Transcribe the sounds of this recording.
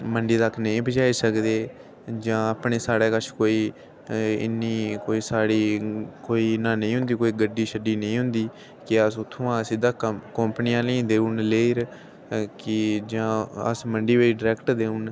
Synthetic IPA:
məɳɖiːd̪akʰnəĩːbəd͡ʒaːiːsəkd̪eː | d͡ʒãːəpɳeːsaːɽeːkət͡ʃʰkoːiː | ɪ̰nːiːkoːiːsaːɽiːkoːiːnãːnəĩːɦʊ̃nd̪iːkoːiːɡəɖːiːʃəɖiːnə̃ĩːɦʊnd̪iː | kɪəsʊt̪ʰːõːãːsɪd̪aːkkəmpnɪjãːlə̃ĩd̪eːũːnleːɾ | kɪd͡ʒãːə̰sməɳɖiːʋəiːɖɪɾɛːkʈd̪eːũːn

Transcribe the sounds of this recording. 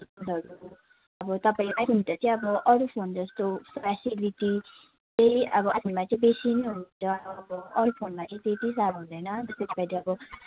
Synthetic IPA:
pʰod̪ʱʌɾu | ʌbʌt̪ʌpaĩlajɦunt̪ʌt͡sʌĩʌbʌʔʌɾupʰond͡zʌst̪opasiliti | t͡sʌjʌbʌʔʌpinmat͡sʌĩbesinɦunt̪ʌːbʌʌɾupʰonmat͡sʌ̃ĩet̪is̬abɦũnd̪ʌjnʌd͡zʌsp̪ʌtibaɽiʌbʌ

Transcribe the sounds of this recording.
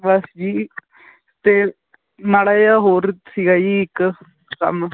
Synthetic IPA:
ʋəsd͡ʒiː | t̪eː | naːɽaːjaːɦoːɾsiːɡaːd͡ʒiɪk | kə̰m

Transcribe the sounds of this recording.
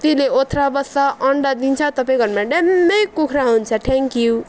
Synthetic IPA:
t̪ileot̪ʰɾabʌsʌʔʌɳɖʌd̪int͡sʰʌt̪ʌpaĩɡʱʌrmaɖemːʌjkukʰɾaɦunt͡sʰʌʈʰeŋkju

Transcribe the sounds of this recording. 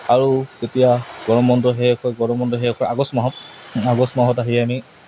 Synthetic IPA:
aɹuzetijaɡɔɹɔmɔndɔɦejɔkʰɔjɡɔɹɔmɔndɔɦejɔkʰɔaɡɔsmɔɦɔtaɡɔsmɔɦɔtaɦiɛami

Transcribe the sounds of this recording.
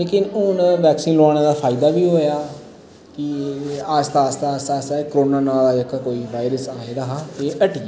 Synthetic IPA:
leːkɪnʊnʋɛːksiːnlʊaːɽ̃eːd̪aːpʰaːɪd̪aːʋiːɦoːjaː | kɪast̪aːst̪aːsaːsaːkɾoːnaːnaːlaːəkːkoːiːʋaːjɾəsaːeɾəɦaːeːʔəʈiːeː

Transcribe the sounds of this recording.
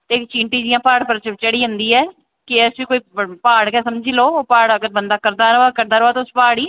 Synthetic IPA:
t̪eːkt͡ʃiːɳʈiːd͡ʒɪjãːpaːɽpəɾt͡ʃt͡ʃəɽiːɦʊ̃nd̪iːɛː | kɪɛsʋiːkoːiːpaːɽkɛːsəmd͡ʒiːloːpaːɽəɡəɾbənd̪aːkəɾd̪aːɾaːkəɾd̪aːɾəʋaːt̪ːʊspaːɽiː

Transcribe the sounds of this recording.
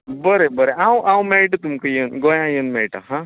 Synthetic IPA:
bəɾebəɾeʔawʔawmeɭʈt̪umkəjənɡojãjənmeɭʈa̰ɦã

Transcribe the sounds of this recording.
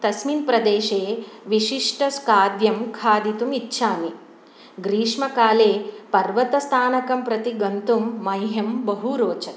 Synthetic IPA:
t̪ɐsminpɾɐd̪eːʃeːʋiʃiʂʈɐskaːd̪jɐmkʰaːd̪it̪umitːʃʰaːni | ɡɾiːʂmɐkaːleːpɐɾʋɐt̪ɐst̪ʰaːnɐkɐmpɾɐt̪iɡɐnt̪umːɐjɦɐmbɐɦuɾoːt͡ʃɐt̪

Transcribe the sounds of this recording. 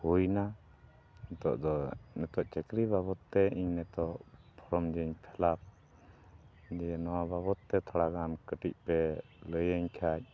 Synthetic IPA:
hujna | nɛt̪ɔ̰ʔd̪ɔnɛt̪ɔʔt͡ʃɛkɾibaβɔt̪ːɛiɲnɛt̪ɔʔpʰɔɾɔmd͡ʒəɲpʰɛlap̚ | d͡ʒɛnɔwababɔt̪ːɛt̪ʰɔɽaɡankəʈic̚ˀpɛ | ləjəɲkʰac̚

